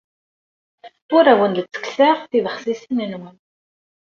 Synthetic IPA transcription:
ʊɾæwənd̪t͡sːə̥ksæʁθiðəχsisənənwən

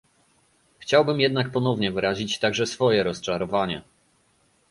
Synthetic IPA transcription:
xt͡ɕawbɘmjɛd̪nak̚pɔnɔvɲɛvɘɾaʑit͡ɕt̪aɡʐɛsfɔjɛɾɔst͡ʂaɾɔvaɲɛ̰

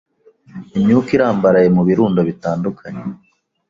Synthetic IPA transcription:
imɲuːkiɾaːmbaɾaje̞muβiɾuːndoβitaːndukʰaɲe

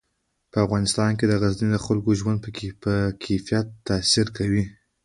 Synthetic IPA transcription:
pəafɣɑnɪst̪ɑnked̪əɣaznid̪əxalkoʒwand̪̚pəəkʰefijat̪ːasiɾkawi

